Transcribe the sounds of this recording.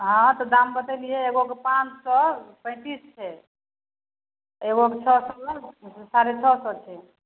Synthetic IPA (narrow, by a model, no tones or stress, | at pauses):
ɦɔ̃t̪ɔd̪ambət̪ɛliɛeɡokepãt͡ʃsɔpə̃ɪ̃t̪ist͡ʃʰɛ | eɡoket͡ʃʰɔsɔlsaɾet͡ʃʰɔsɔt͡ʃʰɛ